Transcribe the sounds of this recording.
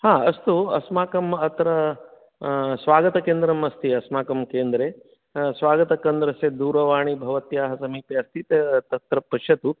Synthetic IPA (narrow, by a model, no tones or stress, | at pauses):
haːɐst̪uɐsmaːkɐmɐt̪ɾɐ | sʋaːɡɐt̪ɐkeːnd̪ɾɐmɐst̪ʰiɐsmaːkɐmkeːnd̪ɾeː | sʋaːɡɐt̪ɐkɐnd̪ɾɐsed̪uːɾɐʋaːɳibʱɐʋɐt̪jaːɦɐsɐmiːpjeɐst̪ʰit̪et̪ɐt̪ɾɐpɐʃɐt̪u